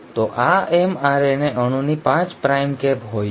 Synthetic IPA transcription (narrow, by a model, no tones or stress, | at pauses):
t̪oʔaɛmaɾeneʔəɽ̃ũnipãt͡ʃpɾajmkɛpɦoj